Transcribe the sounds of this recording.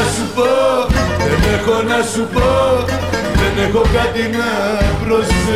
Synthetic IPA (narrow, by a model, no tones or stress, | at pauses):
supoðenexonɐsupo | ðenexokat̪inɐpɾos